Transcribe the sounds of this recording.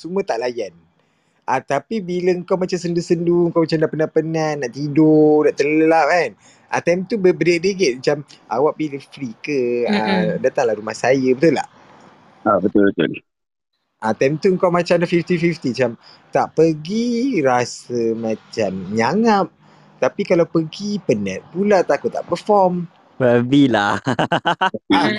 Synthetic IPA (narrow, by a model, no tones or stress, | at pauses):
sumət̪aʔlajan | ʔat̪apibiləəŋkawmat͡ʃamsəndusənduəŋkawmat͡ʃamnapənahpənahnaʔt̪idonaʔt̪ələlap̚kan | ʔa̰t̪amt̪ubəbədedəɡet̪̚mat͡ʃamʔa̰waʔbiləfɾikəadat̪aŋlaɾumahsajəbət̪ula̰h | abət̪ʊlbət̪ʊ̰l | ʔat̪amt̪uəŋkawmat͡ʃamlafift̪ifift̪imat͡ʃam | t̪aʔpəɡiɾasəmãt͡ʃamɲaŋap̚ | t̪apikalawpəɡipənət̪̚pulat̪akut̪a̰ʔpəfɔm | pəbila | əa